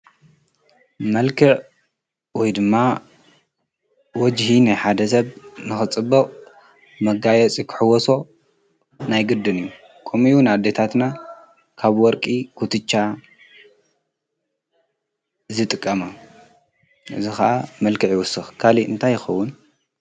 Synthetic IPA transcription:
mɐlkʰɨʕ | wɔjd̪ɨmːa | wɔd͡ʒhinajħad̪ɐs̬ɐβnɨxɨt͡sʼɨbːɐqʼ | mɐɡajɛt͡sʼikʰɨ̥ħɨwɔso̞ | najɡɨd̪ɨnɨjːu | kʰʼomiunad̪ːet̪ʰat̪na | kʰaβwɔɾkʼikʰut̪ʰɨt͡ʃʼːa | zɨt̪ʼɨkʼːɐma | ʔɨ̰zixɐʔamɐlkʰɨʕjiwʊsːɨxkʰaliʔɨnt̪ʰajːɪxɐwːʊn

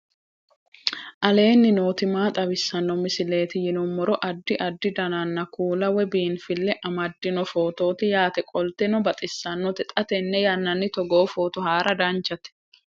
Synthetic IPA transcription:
ʔɐle̞ːnːɪno̞ːt̪ɪmaːt̪ʼɐbɪsːɐnːɔmɪsɪle̞ːt̪ɪjɪnɔmːɔɾɔʔɐd̪ːɪʔɐd̪ːɪd̪ɐnɐnːɐkuːlɐwɛbiːnfɪlːɛʔɐmɐd̪ːɪnɔfoːt̪o̞ːt̪ɪjaːt̪ɛkʼɔlt̪ɛnɔbɐt̪ʼɪsːɐnːɔt̪ɛt̪ʼɐt̪ɛnːɛjɐnːɐnːɪt̪ɔɡoːfoːt̪ɔhaːɾɐd̪ɐnt͡ʃɐt̪ɛ̥

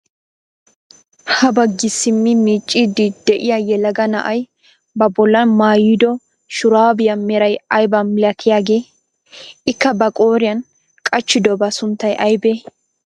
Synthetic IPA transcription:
hɐbɐɡɪsɪmːɪmiːt͡ʃʼːid̪ɪd̪ɛʔɪjajɛlɐɡɐnɐ̰ʔɐj | bɐbɔlːɐmaːjɪd̪ɔ | ʃʊɾaːbɪjɐmɛɾɐjɐjbɐnmɪlɐkʰɪjaːɡe̞ː | ɪkːɐbɐkʼoːɾɪjɐn | kʼɐt͡ʃːɪd̪ɔbɐsʊnt̪ːɐjʔɐjbeː

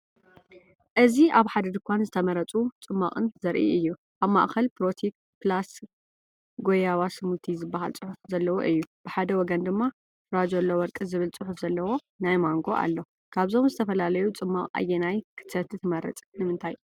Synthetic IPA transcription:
ʔɨziʔaβħad̪ɐd̪ɨkʷʰanzɨt̪ʰɐmɐɾɐt͡sʼut͡sʼɨmːaχʼɨnzɐɾʔḭʔɨjːu | ʔaβma̰ʔkɐlpɾot̪ʰik̚ | pʰlas | ɡojawasɨmult̪ʰizɨbːaɦa̰lt͡sʼɨħufzɐlːɐwoʔɨjːub̥ɨħad̪ɐwɔɡɐnd̪ɨmːa | fɨɾad͡ʒolːowɔɾkʼɨzɨβɨlt͡sʼɨħufz̥ɐlːɐwo̞ | najmaŋɡo̞ʔa̰lːo | kʰaβzo̞mzɨt̪ʰɐfɐlalɐjut͡sʼɨmːakʼa̰jːenajkʰɨ̥t̪ːɐt̪ɨt̪ʰɨmɐɾɐ̰t͡sʼnɨmɨnt̪ʰaj

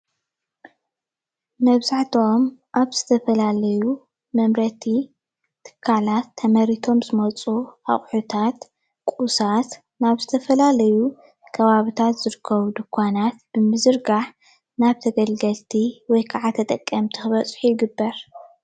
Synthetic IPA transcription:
mɐβzaʕt̪ʰo̞mʔaβz̥ɨt̪ʰɐfɐlalɐju | mɐmɾɐt̪ʰi | t̪ʰɨ̥kʰːalat̪ʰːɐmɐɾit̪ʰo̞mzɨmɐt͡sʼua̰χʼħut̪ʰat̪ | kʷʼusat̪ | naβzɨt̪ʰɐfɐlalɐju | kʰɐβaβit̪ʰat̪z̥ɨɾɨkʰːɐβud̪ɨkʰʷːanat̪b̥ɨmɨzɨɾɡaħ | naβt̪ʰɐɡɐlɡɐlt̪ʰiwɔjkʰaʕat̪ʰɐt̪ʼɐkʼːɐmt̪ʰixɨβɐt͡sʼħujɪɡɨbːɐɾ

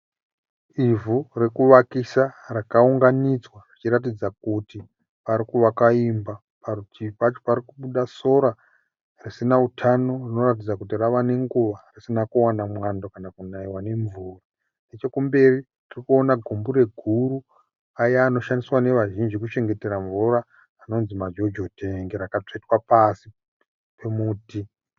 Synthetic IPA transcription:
ivure̞kuʋakisarakauŋɡanid͡zwarit͡ʃiɾat̬id͡zak̚uti | paɾikuʋakaimba | parutipat͡ʃopaɾikuɓuɗaso̞ɾa | risinautʰano̞rino̞ratid͡zakutiraʋane̞ŋɡuʋarisinakuwanamwandokanakunaiwane̞ɱvuːra | ne̞t͡ʃo̞kumbe̞ri | tirikuo̞naɡʱumbuɾe̞ɡʱuɾu | ajaːno̞ʃandiswane̞ʋaʒind͡ʒikut͡ʃe̞ŋɡe̞te̞ɾaɱvuraː | no̞nzimad͡ʒo̞d͡ʒotʰeŋɡeɾakat͡ʂoitwapasi | pemuːti

